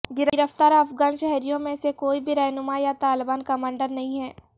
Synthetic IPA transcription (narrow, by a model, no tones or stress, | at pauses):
ɡɪɾəɪɾəft̪aːɾɐfɡaːnʃɛɦɾijõmẽsekoːibʱiɾɛɦnʊmajat̪aːlɪbaːnkɐmãːɳɖəɾnɐɦĩɦɛː